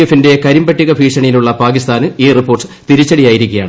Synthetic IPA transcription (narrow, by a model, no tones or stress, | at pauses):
efinde̞kɐɾimbɐʈːiɣɐbʱiːʂɐɳijiluɭːɐpaːkist̪aːnɨiːripːo̞ːrsɨ̥t̪iɾit͡ɕːɐɽijaːjiɾikʲːijaːɳɨ